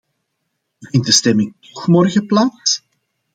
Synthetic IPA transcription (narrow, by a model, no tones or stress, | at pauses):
vɪnt̚dəstɛmɪŋtɔ̥xmɔrɣəplaːs